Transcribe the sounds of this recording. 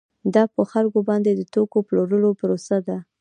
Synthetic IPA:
d̪ɑpəxalkobɑnd̪ed̪ət̪okoploɾəlopəɾosad̪a

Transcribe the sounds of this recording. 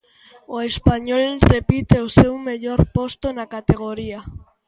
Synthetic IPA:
oespaɲolrepit̪eosewmeʎoɾpost̪onakat̪eɣ̞oɾia

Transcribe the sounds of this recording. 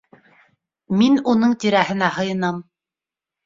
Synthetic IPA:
minunɤɴt̪iɾæɦɘ̆næɦɤ̆jɤ̆nɑm

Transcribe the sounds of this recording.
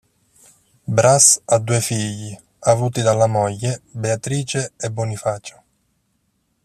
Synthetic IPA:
bɾasad̪ːuːefiʎːi | avuːt̪id̪alːamɔʎːebeat̪ɾiːt͡ʃeebːɔnifaːt͡ʃʊ̥

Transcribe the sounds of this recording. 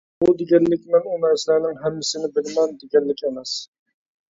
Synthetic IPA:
bud̪ɪɡʲɛnːɪkʲmɪnumɛsɪlænɪŋɦɛmːɪsɪnɪbɪlmɛnd̪ɪɡʲɛnːɪkʲemɛs

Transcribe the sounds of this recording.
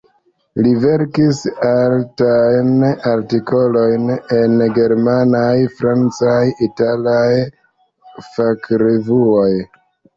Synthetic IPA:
live̞ɾkisaltajnaɾtiko̞lo̞jnenɡe̞ɾmanajfɾant͡sajitalaj | fakɾevuoj

